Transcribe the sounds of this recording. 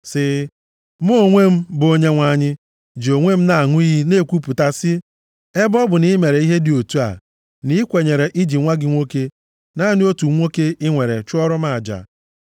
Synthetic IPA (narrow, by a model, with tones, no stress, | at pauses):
sɪ˨ | m˦o˦˨ŋʷe˦m̩˦bo˦ɲe˦ŋʷa˨ɲɪ˦ | d͡ʒi˨o˨ŋʷe˦m̩˦na˨a˨ŋʷʊ˦i˦ɦi˦ne˦˨kʷu˦pu˨ta˦sɪ˦ | e˦bɔ˦bʊ˨ni˦me˨ɾe˨i˦ɦe˦dɪ˨o˨tu˦a̰˨ | ni˦kʷe˨ɲe˨ɾe˨ʔi˦d͡ʒi˨ŋʷa˦ɡɪ˦ŋʷo˦ke˦ | na˦˨nɪ˦o˦tu˨˦ŋʷo˦ke˦ɪ˦ŋʷe˨ɾe˨t͡ʃʊ˦ɔ˦ɾɔ˦ma˨a˨d͡ʒa̰˨